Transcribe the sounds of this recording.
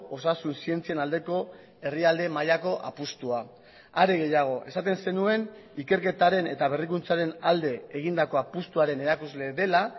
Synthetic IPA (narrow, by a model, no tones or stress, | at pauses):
osasunsie̞nt͡sienald̪e̞ko̞ | e̞riald̪e̞majako̞ʔa̰pust̪ua | aɾeɣe̞jaɣ̞o̞ʔe̞sat̪e̞nse̞nue̞n | ike̞ɾke̞t̪aɾe̞ne̞t̪aβ̞e̞rikunt͡saɾe̞nald̪e̞ːɣ̞ind̪ako̞apust̪uaɾe̞ne̞ɾakuzle̞ðe̞la